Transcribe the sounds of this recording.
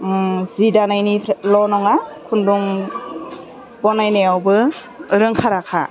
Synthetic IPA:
zidanajnilɔnɔŋakʰunduŋ | bɔnajnajawbɯ | ɾɯŋkʰaɾakʰa̰

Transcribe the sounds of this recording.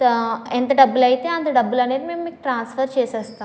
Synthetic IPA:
ent̪ɐɖɐbːulɐjt̪eɐnt̪ɐɖɐbːulɐneɾmemmekʈɾaːnsfɐɾt͡ʃeːsɐst̪ã

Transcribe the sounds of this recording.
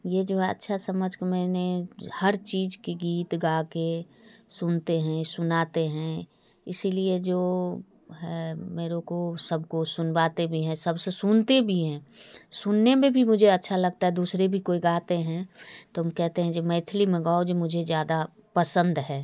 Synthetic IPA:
jed͡ʒoːɐ̰tːʃʰasɐməd͡ʒʱkemɛːnehɐɾt͡ʃiːzkiɡiːt̪ɡaːke | sʊnt̪eɦɛ̃sʊnaːt̪eɦɛ̃ | ɪsilied͡ʒoː | ɦɛːmeːɾõkosɐb̚ʱkosʊnbaːt̪ebʱiɦɛ̃sɐbsesʊnt̪ebʱiɦɛ̃ːsʊnːemʱẽbʱimʊd͡ʒʱeɐtːʃʰalɐɡ̚t̪aɦɛd̪uːsɾebʱikoːiɡaːt̪eɦɛ̃t̪oɦɐmkɛɦt̪eɦɛ̃d͡ʒoːmɛ̃ːt̪ʰlimẽɡaːod͡ʒomʊd͡ʒʱezjaːd̪a | pəsə̃nd̪ɦɛː

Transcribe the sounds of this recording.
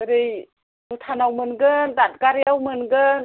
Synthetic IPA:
ɾɯj | nutʰanawmɯnɡɯndat̚ɡaɾijawmɯnɡɯn

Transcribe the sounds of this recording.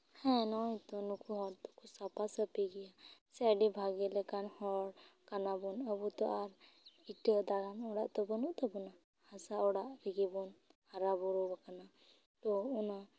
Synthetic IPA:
hɛ̃nɔit̪ɔnukʰuɦɔɾt̪ɔ̥kusapasəpiɡijasɛɖibʱaɡɛlɛkanhɔɽkanabɔnəbut̪ɔʔaɾ | iʈəd̪aɾanɔɽaʔt̪ɔbɔnuʔt̪ɔbɔna | hasaɔɽaʔɾiɡibɔnhaɾabɔɾɔbakana | t̪ɔuna

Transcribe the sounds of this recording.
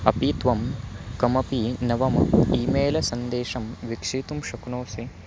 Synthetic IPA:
ɐpiːt̪ʋɐmkɐmɐpinɐʋɐmiːmeːlɐsɐnd̪eːʂɐmʋikʂit̪umʃɐknoːsi

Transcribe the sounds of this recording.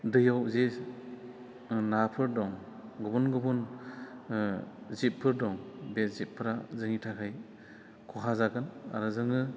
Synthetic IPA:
dɯjawzis | napʰɯɾdɔŋ | ɡɯbunɡɯbun | zip̚pʰːɯɾdɔŋbet̚zip̚pʰːɯɾazɯŋitʰakʰaj | kʰɔɦʰazaɡɯna̰ɾɯzɯŋɯ

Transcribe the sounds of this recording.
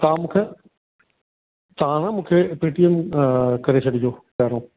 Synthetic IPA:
kaːmkʰɛ̃ | t̪ɐɦãnãmũːkʰepiːʈijəmkɐɾet͡ɕʰɐɽid͡ʑoːpɛːɾõː

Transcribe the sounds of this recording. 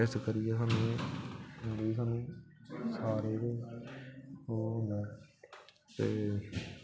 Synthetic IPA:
ɛːstkəɾɪjɛːsaːnũẽ | əɾiːsaːnũːsaːɾeːt̪oː | oːɦõnd̪ɛː | t̪ḛː

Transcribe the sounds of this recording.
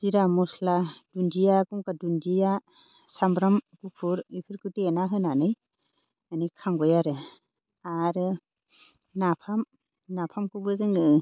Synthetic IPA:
siɾamɔslad̥undijakɔmkadundija | sambɾamkupʰuɾipʰɯɾkɯtienaɦɯnanɯj | anikʰaŋɡɔjaɾɯ | aɾɯ | napʰam | napʰamkubɯzɯŋɯ

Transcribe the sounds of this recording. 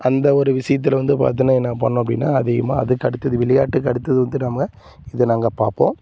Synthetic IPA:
ʔɐnd̪ɐɔɾɯʋɪʂɐjɐt̪̬ːɪlʋɐnd̪ɯpːɐ̰ɐt̪ːɯnɐɛnːɐpɐɳːʊ̃ɐp̬ːɐɽɪ̰nːa̰ːɐðɪɣɐmaːɐðɯkɐɽɯt̪ːɐðɯʋɪɭɐjaːʈːɯkɐɽɯt̪ːɐðɯʋɐnd̪ɯnɐmɐɡɐ | ɪðɯnaːŋɡɐpaːɾpõ̰ː

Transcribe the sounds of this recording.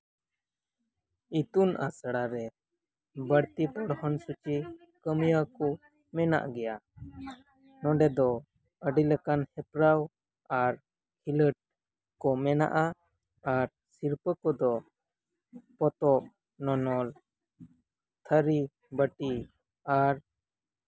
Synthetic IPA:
it̪unʔa̰sɽaɾɛ | bəɽt̪ip̪ɔɽhɔnsut͡ʃi | kəmijakɔ | mɛna̰ʔɡɛja | nɔɖɛd̪ɔ | əɖiləkanhɛpɾaw | aɾ | hiləʈ̚ | kɔmɛna̰ʔa | aɾ | siɾpəkɔd̪ɔ | pɔt̪ɔp̚ | nɔnɔl | t̪ʰəɾi | bəʈi | aɾ

